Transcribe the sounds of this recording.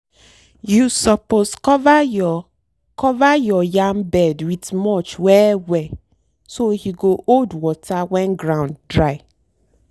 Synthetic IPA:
jusɔposkɔva | kɔvajɔjãmbɛdwitmɔt͡ʃwɛwɛ | sohiɡoʔodwɔtʰawɛ̃nɡɹãʊ̃nddɹaɪ

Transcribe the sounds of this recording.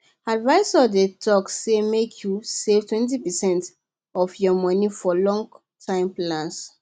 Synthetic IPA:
advaɪsɔdetɔksemekʰjusev̥twɛ̃ntipɛsɛ̃nt | ɔfjɔmɔnifɔlɔ̃ŋɡ | tʰãɪ̃mplãns

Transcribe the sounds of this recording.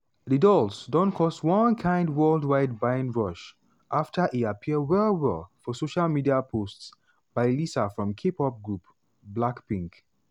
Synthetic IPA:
ðɨdɔlˠsdõnkʰɔswʌ̃nkʰãɪ̃ndwɜlˠdwaɪd̚bãɪ̃nɹɔʃ | ʔaftʰəʔiapʰiəwɛlˠwɛ̰lˠfɔsoʃalmidiapʰosts | b̥aɪlisəfɹɔ̃mkʰepɔp̚ɡɹup | blakpĩŋk

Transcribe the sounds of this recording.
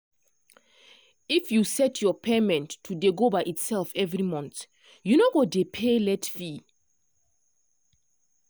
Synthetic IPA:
ifjusɛtʰjɔpʰemɛ̃ntːʰudeɡobaʔitsɛlfɛvɹimɔ̃nt | junoɡɔdepʰelɛtfi

